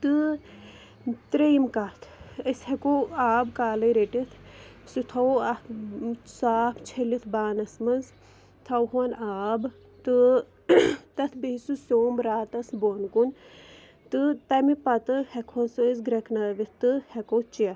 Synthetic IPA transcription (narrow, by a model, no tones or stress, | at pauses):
t̪ɨ | t̪ɾejmkat̪ʰɐshekoːaːbkaːlɐɾeʈit̪ʰsut̪ʰɐwɐ | saːpʰt͡ʃʰelit̪ʰbaːnɐsmɐz | t̪ʰɐwɦuɐnaːb | t̪ɨ | t̪ɐt̪ʰbeisusoːmɾaːt̪ɐsbonkun | t̪ɨt̪ɐmipɐt̪ɨhɛkʰɐnsɨizɡɾɐkʰnɐʋit̪ɨhɛkoːt͡ʃiɐ